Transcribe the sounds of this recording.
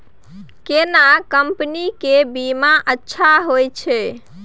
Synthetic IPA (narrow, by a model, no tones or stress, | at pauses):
kenakəmpənikebimaʔətːʃʰaɦojt͡ʃʰɛ